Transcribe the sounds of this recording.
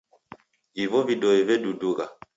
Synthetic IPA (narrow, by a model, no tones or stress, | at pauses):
vivɔvidɔɛvɛduduɣa